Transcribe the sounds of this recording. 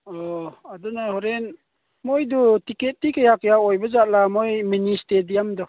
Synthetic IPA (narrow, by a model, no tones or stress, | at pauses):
ɔadɔnahɔɾɛn | mɔjdɔtiket̚tikəjakəjaɔjbazaʔlamɔjministedijamdɔ